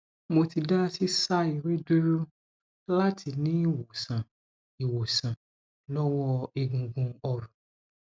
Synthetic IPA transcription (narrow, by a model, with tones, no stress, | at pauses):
mo˧ti˧da˦si˦sa˦i˨ɾe˦du˦ɾu˦ | la˦tʰi˧nĩ˦i˦˨wo˨sã˨ | i˨wo˨sã˨ | lɔ˦wɔ˦i˨ɡũ˨ɡũ˧ɔ˧ɾɔ̃˨